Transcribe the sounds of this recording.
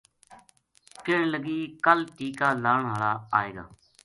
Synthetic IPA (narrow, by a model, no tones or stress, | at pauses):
kɪɳləɡiːkəlʈiːkaːlaːɳɦəɭaːaːeːɡa̰ː